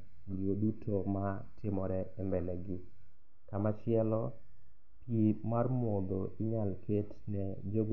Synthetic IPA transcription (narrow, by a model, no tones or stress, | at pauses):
liodutʰoma | tʰɪmɔɾɛɛmbɛlɛɡɪ | kamat͡ʃɪɛlɔ | pjimarmɔd̪oɪɲalketnɛd͡ʒoɡ